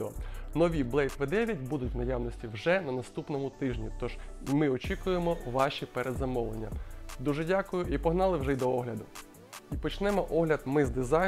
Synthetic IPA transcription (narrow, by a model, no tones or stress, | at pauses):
ɔnɔʋʲiblˠɛjt̪ʋɛd̪ɛʋʲjɐt̚ʲbud̪ʊtʲwnɐjawnɔsʲtʲiwʒɛnɐnɐst̪upnɔmʊt̪ɪʒnʲit̪ɔʒmɪɔt͡ʃʲikʊjemɔʋɑʃʲipɛɾed̪zɐmɔʋlˠenʲːɐ̰d̪uʒɛdʲakʊjʊʔipɔɦnɑlˠɪwʒɛjd̪ɔɔɦlʲɐd̪ʊ | ipɔt͡ʃnɛmɔʔɔɦlʲɐd̪mɪzd̪ɪzɑ